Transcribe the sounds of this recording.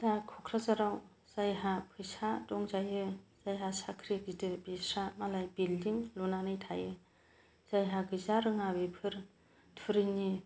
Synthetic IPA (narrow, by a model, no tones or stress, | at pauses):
d̥akʰɔkʰɾazaɾaw | z̥ajɦapʰɯjsadɔŋzajɯz̥ajɦasakʰɾik̚zitɯbisɾamalajbildiŋlunanɯjtʰajɯ | z̥ajɦaɡɯzaɾɯŋabepʰɯɾ | tʰuɾɯni